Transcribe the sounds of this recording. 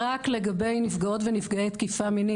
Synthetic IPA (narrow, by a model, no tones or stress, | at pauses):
akle̞ɡabe̞jnifɡao̞tvenifɡaejt̪kifamini